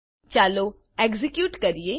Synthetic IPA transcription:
t͡ʃaːloː | ɛːkzɪkjuːʈkɐɾieː

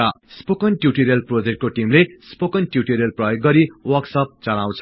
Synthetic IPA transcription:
ʌspokʌnʈjuʈiɾelprod͡zek̚ʈ̚koʈimlespokʌnʈjuʈiɾelprʌjoɡːʌɾiwʌksʌp̚t͡sʌlaw̃t͡sʰ

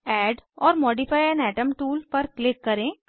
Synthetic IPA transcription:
ɛːɖɔːɾmɔːɖifaːjɛ̃nɛːʈəmʈuːlpɐɾklɪkːɐɾẽː

